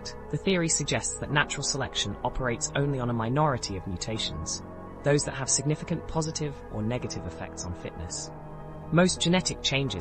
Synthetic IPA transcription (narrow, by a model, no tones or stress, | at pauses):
ðəθɪəɹisəɡ̚d͡ʒɛstsðəʔⁿnat͡ʃəɹəlˠsəlɛkʃə̃nɒpʰəɹeɪtsə̃ʊ̃nliə̃nəmaɪnɒɹɨtʰiəvmjʉtʰeɪʃə̃nz̥ | ðəʊzðəʔ̚ɦəv̥sɪɡ̚nɪfɪkə̃npʰɒzɪtʰɪvʔənɛɡətʰɪvɪfɛ̰k̚tsn̩fɪ̰ʔnə̰s | məʊsd̥ʒ̥ɨnɛtɪk̚t͡ʃʰẽɪ̃nd͡ʒɪ